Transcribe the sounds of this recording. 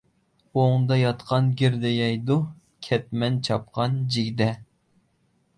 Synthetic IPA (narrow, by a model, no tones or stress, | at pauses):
oŋd̪ɑjɑt̪qʰɑnɡʲiɾd̪ɛjɛjd̪u | kʲʰɛt̪̚mɛnt͡ʃʰɑp̚qʰɑnd͡ʒiɡʲd̪ɛ